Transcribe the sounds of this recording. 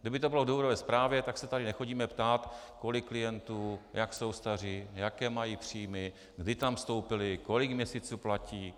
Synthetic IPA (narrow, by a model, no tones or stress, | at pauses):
ɡdɪbɪt̪obɪlo̞vdouɾovɛːspɾaːvjɛt̪aksɛt̪adɪnɛxo̞ɟiːmɛpt̪aːt̪ko̞lɪkːlɪjɛnt̪uːjakso̞wst̪ar̝ɪjakɛːmajiːpr̝̥iːjmɪ | ɡdɪt̪amfst̪o̞wpɪlɪko̞lɪkmɲɛsiːt͡suːplaciː